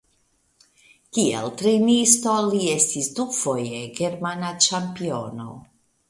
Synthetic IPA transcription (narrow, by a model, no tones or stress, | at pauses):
kiḛltɾenisto̞lie̞stisdufo̞je̞ɡe̞ɾmanat͡ʃampio̞no̞̰